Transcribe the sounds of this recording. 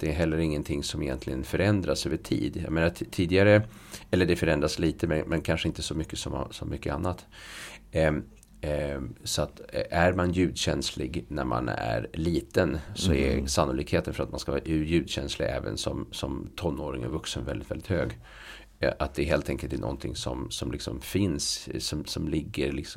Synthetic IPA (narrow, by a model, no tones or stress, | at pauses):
d̪̥ɛɦɛlːəɾɪŋːənt̪ʰɪŋːsɔmɪjɛnt̪ʰlɪɡənfœɾɛnd̪ɾasøːvəʈʰḭːd̪jɑ̰meːnat̪ʰiːd̪ɪɡaɾəɛlːəɖɛfœɾɛnd̪ɾasliːt̪əmɛnmɛnkʰanʂəɪnt̪əsɔmʏkːəsɔm̰sɔmʏkːəa̰nːat̪ | sɔat̪ʔæɾmanjʉ̟ːd̪ɕɛnslɪɡnæɾma̰næ̰ɾliːt̪ənsɔɛsanːʊliːkheːt̪ənfœɾat̪manskavɑːjʉjʉ̟ːd̪ɕɛnslɪ̰ɡɛ̰ːvə̰nsɔmsɔmt̪ʰɔnːoːɾɪŋə̰nvɵksənvɛlɪt̪vɛld̪ɪt̪høːɡ | at̪̚d̪ɛɦeːlt̪ʰɛŋkəlt̪æɳʔɔ̰nt̪ʰɪŋsɔmsɔmlɪksɔ̰mfɪnssɔmsɔmlɪɡːəɾlɪks